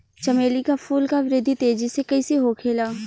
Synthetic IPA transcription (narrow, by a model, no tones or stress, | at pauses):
t͡ʃɐmeːlikafʰuːlkaʋɪɾɪd̪ʱːit̪eːd͡ʒisekɐiseɦoːkʰeːlaː